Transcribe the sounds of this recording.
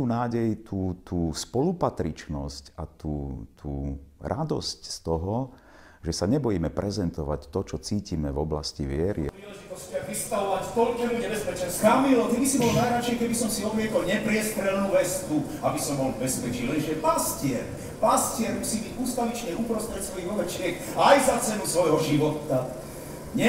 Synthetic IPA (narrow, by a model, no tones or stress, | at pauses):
uːnaːɟɛjt̪ʰuːt̪uːspɔlupat̪ɾit͡ʃnɔscat̪uːt̪ʰuːɾʔa̰d̪ɔ̰scst̪ɔɦɔ | ʒɛsaɲɛbɔjiːmɛpɾɛzɛnt̪ɔʋa̰ct̪ɔt͡ʃɔt͡siːcimɛvɔbla̰sciʋɪɛɾʔḭpɾiːlɛʒit̪ɔscaʋist̪aʋɔʋacfp̪ɔlɟɛluɲɛbɛspɛt͡ʃɛnskamilɔt̪ibisibɔlnajɾat͡ʃɪɛkɛbisɔmsiɔb̪mɪɛkɔlɲɛpɾɪɛst̪ɾɛlnuːʋɛst̪u | abisɔmbɔlbɛspɛt͡ʃilɛnʒɛpascɪɛɾ | pascɪɛɾmusiːbiɟuːst̪alit͡ʃɲɛupɾɔst̪ɾɛc̪sʋɔjiɣɔbɛt͡ʃɪɛkajzat͡sɛnusʋɔjɦɔʒiʋɔt̪a | ɲɛ